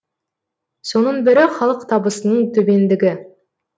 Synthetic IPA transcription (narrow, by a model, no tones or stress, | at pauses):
so̞nənbɪɾɪχɑlˠəqt̪ʰɑbəsənəɴt̪ʰɵbe̞nd̪ɪɡʲɪ